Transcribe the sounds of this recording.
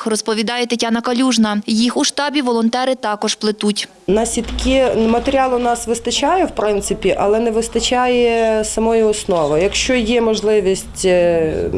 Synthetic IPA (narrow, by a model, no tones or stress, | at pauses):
xrɔspɔʋʲid̪ɑjɛt̪ɪtʲanɐkɐlʲuʒnɐjixuʃt̪ɑbʲiʋɔlˠɔnt̪ɛɾɪt̪ɑkɔʒplˠɪt̪utʲ | nɐsʲit̪kʲɪmɐt̪eɾʲiɑlˠʊnɑsʋɪst̪ɐt͡ʃajɛwpɾɪnt̪sɪpʲiʔɐlˠɛnɛʋɪst̪ɐt͡ʃajɛsɐmɔjiɔsnɔʋɐjɐkʃt͡ʃɔjɛmɔʒlˠɪʋʲisʲttʲ